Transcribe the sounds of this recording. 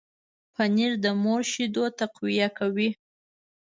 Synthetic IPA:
pʰaniɾd̪əmoɾʃid̪ot̪aqwijakawi

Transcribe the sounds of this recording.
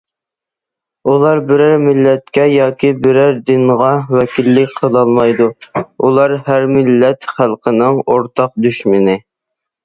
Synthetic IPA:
ulˠɑɾbɪɾæɾmɪlːɛt̪̚kʲɛjɑːkʲʰibɪɾæɾd̪ɪnʁɑwɛkʲilːɪkʲqʰəlˠɑlˠmɑjd̪uulˠɑɾɦæɾmɪlːɛt̪χælˠqʰənɨŋoɾt̪ʰɑq̚d̪yʃmɪnɪ

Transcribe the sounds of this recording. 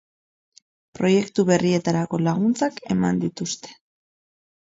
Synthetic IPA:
pɾo̞je̞kt̪uβe̞rie̞t̪aɾako̞laɣunt͡sake̞mand̪it̪ust̪e̞̥

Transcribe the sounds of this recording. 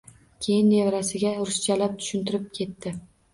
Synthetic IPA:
kʲʰe̞jɪnːevɾasɪɡʲaɾʊst͡ʃʰalap̚t̪ʰʊ̥ʃɪnt̪ʰɪɾɪp̚kʲʰe̞t̪ːɪ

